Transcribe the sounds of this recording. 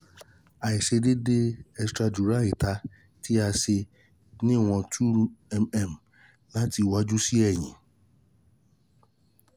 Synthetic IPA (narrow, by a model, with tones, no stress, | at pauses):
a˨i˨ʃe˧de˦de˦ɛ˧stɾa˧d͡ʒu˨ɾa˦i˨ta˧˦ | ti˦a˧se˧ | nĩ˦˨w̃ɔ̃˧tʰu˦ɾu˦ɛ˧mɛ˦˨m˨ | la˦ti˧wa˦d͡ʒu˦si˦ɛ˦˨j̃ĩ˨